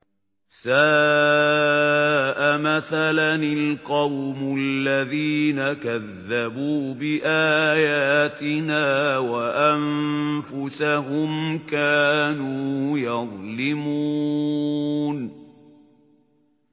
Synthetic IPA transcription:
saː | ʔamaθalanɪlqɑwmʊalːaðiːnakaðːabuːbɪʔaːjaːt̪ɪnaːwaʔamfʊsaɦʊmkaːnuːjɑðˤlɪmuː | n

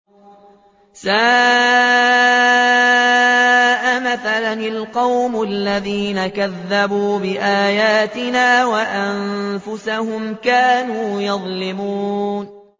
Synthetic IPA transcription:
saː | ʔamaθalanalqɑwmʊalːaðiːnakaðːabuːbɪʔaːjaːt̪ɪnaːwaʔanfʊsahʊmkaːnuːjɑðˤlɪmuːn

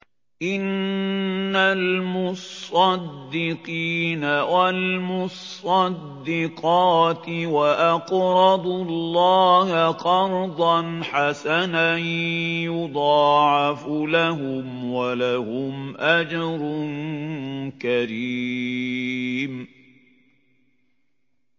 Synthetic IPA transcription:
ʔɪnː | almʊsˤɑd̪ːɪqiːnawalmʊsˤ | ɑdd̪ːɪqɑːt̪ɪwaʔaqɾˤɑd̪ˤʊlːɑːhaqɑɾˤd̪ˤɑnħasananjʊd̪ˤɑːʕɑfʊlaɦʊmwalahʊmʔad͡ʒɑɾˤʊn | kaɾi | m

